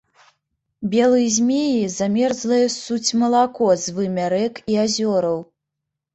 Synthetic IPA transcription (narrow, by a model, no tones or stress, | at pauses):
bʲɛlˠɨjzʲmʲejizamʲɛrzlˠɐjɛsut͡sʲmɐlˠakɔzvɨmʲaɾɛkiazʲɔɾɐw